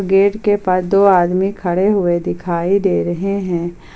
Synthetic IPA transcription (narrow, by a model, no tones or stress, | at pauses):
ɡeːʈkepɐd̪oːaːd̪mikʰɐɽeɦʊed̪ɪkʰaːid̪eːɾɐɦeɦɛ̃ː